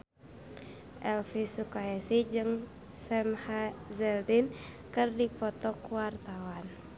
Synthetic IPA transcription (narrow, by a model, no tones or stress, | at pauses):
ʔɛlfisukaɛsid͡ʒɨŋ | sɛmhazɛldin | kɨrdipɔt̪ɔkuwart̪awan